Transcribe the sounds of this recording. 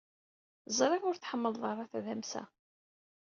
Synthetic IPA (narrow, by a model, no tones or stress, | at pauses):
zˤɾˤevʊɾθħəmːəlðˤʁɾˤɑθæðæmsæ̰